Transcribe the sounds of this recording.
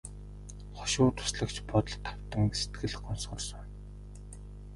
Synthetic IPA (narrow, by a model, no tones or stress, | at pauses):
χɔ̥ʃʊːt̪ʰʊ̥sɮə̆kt͡ɕpɔt̪ɞ̆ɮt̪ʰːḁw̥t̪ə̆ŋset̪ɡɘ̆ɮχɔnsχɞ̆rsɞ̆n